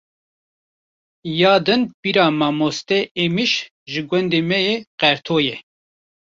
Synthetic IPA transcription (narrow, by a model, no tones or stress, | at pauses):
jɑːd̪ɨnpiɾɑːmɑːmost̪ɛʔemiʃ | ʒɨɡwɛnd̪emɛjeːqɛɾt̪ʰoːjɛ